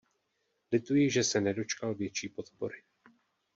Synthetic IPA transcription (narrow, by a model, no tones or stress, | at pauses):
lɪt̪ujɪʒɛsɛnɛdo̞t͡ʃkalvjɛt͡ʃiːpo̞t̪po̞̰ɾɪ